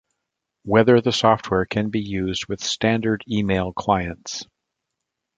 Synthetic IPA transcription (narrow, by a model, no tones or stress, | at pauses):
wɛðə˞ðəsɔft̚wɛɹkʰɨ̃nbijʉzd̚wɨð̥stæ̃ndə˞ɾimeɪlˠkʰl̥aɪɨ̃nts